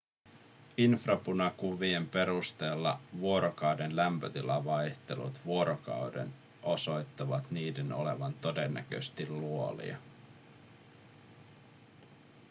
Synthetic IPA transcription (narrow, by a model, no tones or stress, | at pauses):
infrɑpunɑkuʋie̞mpe̞ɾust̪e̞ːlːɑ̰ʋuo̞ɾokɑwdenlæmpøt̪ilɑʋɑjht̪e̞lṵt̪ʋuo̞ɾʔokɑ̰wde̞̰n | ʔo̞so̞jt̪ːɑʋɑt̪niːdeno̞̰le̞ʋɑnt̪o̞de̞nːæ̰k̟ø̰st̪ilːuo̞lḭɑ̰